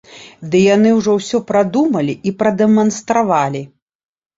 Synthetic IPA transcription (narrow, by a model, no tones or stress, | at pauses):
d̪ɨjanɨwʐɔwsʲɔpɾad̪umɐlʲiipɾɐd̪ɛmɐnst̪ɾavalʲi